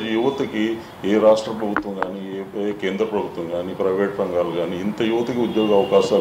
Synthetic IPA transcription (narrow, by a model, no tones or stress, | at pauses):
d͡ʒijuʋɐt̪ɐki | eːɾaːʂʈɾɐpɾɐbʱut̪ʋɐŋɡaːniːeːke̞ːnd̪ɾɐpɾɐbʱut̪ʋɐŋɡaːniːpɾɐjʋeːʈɾɐŋɡaːluɡaːniːnt̪ɐjuʋɐt̪ɐkiud̪joːɡɐɐʋɐkaːʃaː